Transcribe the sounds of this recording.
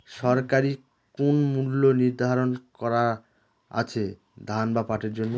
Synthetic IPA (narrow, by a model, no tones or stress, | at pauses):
ʃɔɾkaɾi | konmulːoniɾd̪ʱaɾonkɔɾa | a̰t͡ɕʰe | d̪ʱanbapaʈeɾd͡ʑonːo